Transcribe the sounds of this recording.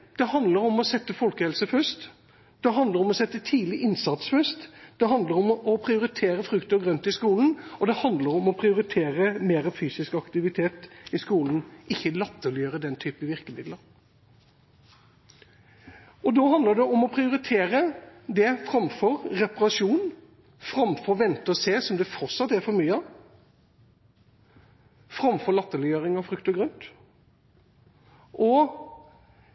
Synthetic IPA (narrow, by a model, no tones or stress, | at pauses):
d̪̥ɛhɑnd̪ləɾɔmɔsɛt̪ːəfɔlkəhɛlsəfœst̪ | d̪̥ɛɦɑnd̪əɾɔmɔsɛt̪ːət̪ʰiːlɪʔɪnsɑt̪sfœst̪d̪̥ɛɦɑnd̪ləɾɔmɔpʰɾɪʊɾɪt̪ʰeːɾəfɾʉkt̪əɡʁœnt̪ɪskuːln̩ɔd̪ɛhɑnd̪ləɾɔmɔpʰɾɪʊɾɪt̪ʰeːɾəmeːɾəfyːsɪskɑkt̪ɪʋɪt̪ʰeːt̪ɪskuːln̩ʔɪçːəlɛt̪ːəljøːɾəd̪ɛnt̪ʰyːpəʋɪʁkəmɪd̪ləɾ | ɔd̪ɔːɦɑnd̪əɖ̪ɛʔɔmɔpʰɾɪʊɾɪt̪ʰeːɾəd̪ɛfɾɑmfɔɾɾɛpɑʁɑʂuːn | fɾɑmfɔɾʋɛnt̪əɔseːsɔmd̪ɛfɔʁt̪sɑt̪ːæɾfɔɾmyːɑ | fɾɑmfɔɾlɑt̪ːəlɪjøːɾɪŋɑfɾʉkt̪ɔɡɾœnt̪ | ʔɔ